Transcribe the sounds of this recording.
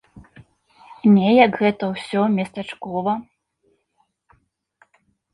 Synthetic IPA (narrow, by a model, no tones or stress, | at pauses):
nʲɛjɐkɣɛt̪ɐwsʲɔmʲɛst̪ɐt͡ʂkɔvɐ